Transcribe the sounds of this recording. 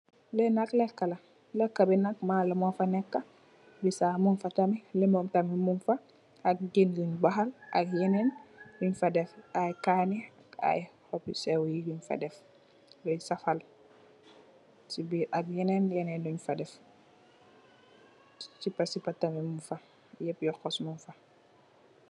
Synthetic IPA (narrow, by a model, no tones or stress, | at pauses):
lɛnaklɛkːɐlɐ | lɛkːabɛnak̚malɐmɔfɐnɛkːɐ | bisamunfɐtɐmilɛmɔmtɐmimunfa | ʔak̚ɡinluɲbaɦala̰kjɛnɛnluɲfɐdɛfajkaniaka̰jhɔpisɛwjiduɲfɐ̰dɛf | dɔjsɐfɐl | sibiʔɐk̚jɛnɛnjɛnɛnduɲfɐdɛf | sipːɐsipːɐtɐmimufɐ | jɛpjɔxɔsmunfɐ